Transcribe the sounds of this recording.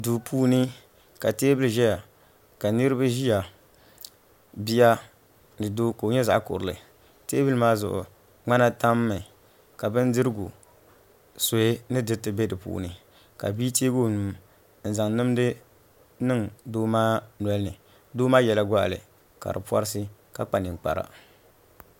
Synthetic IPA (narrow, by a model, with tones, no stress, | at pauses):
duː˨pʰuː˦nɨ˦ | ka˨teː˦bɨ˦lʒɛ˦ja˨ | ka˨nɨ˦ɾɨ˦ba˦ʒi˦ja˨ | bi˦ja˦ | dɨ˨doː˦ko˨ɲɛ˦za̰˨ʔkʊ̰˨ɾɨ˨lɨ̰˨ | teː˦bɨ˦lɨ˦maː˦zʊ̰˨ʔʊ̰˨ | ŋ͡ma˦na˦ta˦mːɨ˨ | ka˨bɨ˦n˦dɨ˦ɾɨ˦ɡu˨ | so˨e˦nɨ˦dɨ˦tɨ˨bɛ˦dɨ˨pṵ˨nɨ˨ | ka̰˨biː˦teː˦ɡo˦˨nu˨m | n̩˨za˨ŋnɨ˦m˦dɨ˦ | nɨ˦ŋdoː˦maː˦nɔ˦lnɨ˨ | doː˦maː˦jɛ˨la˦ɡʷa˦ʔlɨ̰˨ | ka̰˨ɾɨ̰˨pa̰˦ɾɨ˦s̬ɨ˦ | ka˦k͡pa˨nɨ˨ŋ˨k͡pa̰˨ɾa̰˨